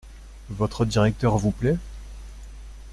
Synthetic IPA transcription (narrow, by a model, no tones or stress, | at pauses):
vɔt̪χəd̪iʁɛk̚t̪œʁvuplɛ